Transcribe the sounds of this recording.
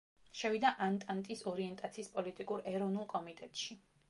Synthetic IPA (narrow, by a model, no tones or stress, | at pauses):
ʃɛvid̪aʔant̪ʼant̪ʼisɔɾiɛnt̪ʼat̪sʰiːspʼɔlit̪ʼikʼuɾɛɾɔvnulˠkʼɔmit̪ʼɛt̪ʼʃi